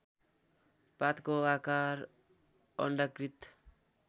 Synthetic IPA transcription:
pat̪koakaɾ | ʌ̰ɳɖakɾit̪

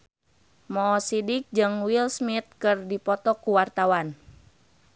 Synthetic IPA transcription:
mɔːsidik̚d͡ʒɨŋwilsmit̪̚kɨrdipɔt̪ɔkuwart̪awan

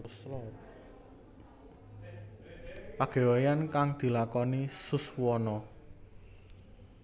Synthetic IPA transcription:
slɔ | paɡ̥e̤wejankaŋd̪̥i̤lakɔnisʊswɔnɔ

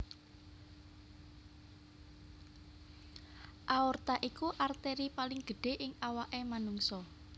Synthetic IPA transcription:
ʔaɔrt̪aʔikuʔart̪eɾipalɪŋɡ̥ə̤ɖ̥e̤ʔɪŋawaʔemanuŋsɔ

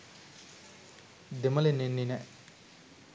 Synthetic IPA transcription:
d̪emɐlenːenːinɛʔ

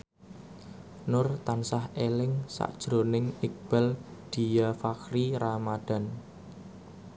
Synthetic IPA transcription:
nʊrt̪ansahelɪŋsa̰ʔd̥ʒ̥ɾonɪŋik̚b̥ald̪̥i̤jafakɾiɾamad̪̥a̤n

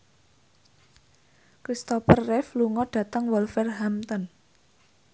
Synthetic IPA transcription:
kɾist̪ɔpərːɛfluŋɔɖ̥ä̤t̪əŋwɔlfɛrɦamt̪ən

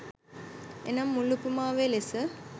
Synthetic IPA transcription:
enɐmːulupumaːʋelesə

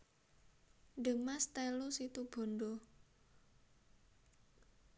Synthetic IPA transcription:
ɖ̥əmast̪elusit̪ub̥o̤ndo

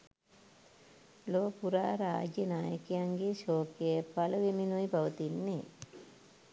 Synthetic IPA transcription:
loːpuɾaːɾaːd͡ʒjɐnaːjɐkijaŋɡiʃoːkepɐlɐʋiminujbɐʋɐt̪inːe

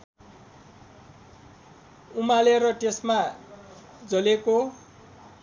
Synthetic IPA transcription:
umaleɾʌʈesma | d͡zʌleko

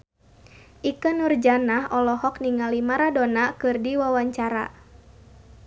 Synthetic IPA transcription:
ʔikənurd͡ʒanaɦɔlɔhɔk̚niŋalimaɾadonakɨrdiwawaɲt͡ʃaɾa̰

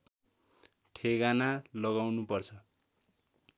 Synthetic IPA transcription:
ʈʰeɡanalʌɣawnupʌrt͡sʰʌ

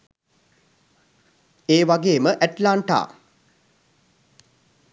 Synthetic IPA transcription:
eːʋaɡeːməʔæʈlaːɳʈa̰ː

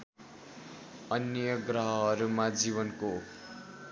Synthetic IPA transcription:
ʌnjʌɡrʌɦʌɦːɾumad͡ziβʌnko

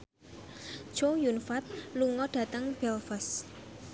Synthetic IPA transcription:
t͡ʃojunfat̪̚luŋɔɖ̥ä̤t̪əŋb̥ɛlfəs

